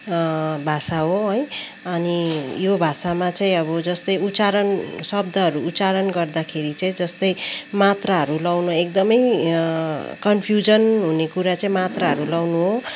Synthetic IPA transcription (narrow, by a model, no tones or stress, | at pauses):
bʱasaɦoɦʌj | ʌnijobʱasamat͡saĩʌbʌd͡zʌst̪ʌjut͡saɾʌnsʌbd̪ʱʌɦʌɾuːt͡saɾʌnɡʌrd̪akʰeɾit͡saĩd͡zʌst̪ʌjmat̪raɦʌɾulawnooek̚d̪ʌmʌj | kʌnpʰjud͡zʌnɦunekuɾat͡saĩmat̪raɦʌɾulawnuɦo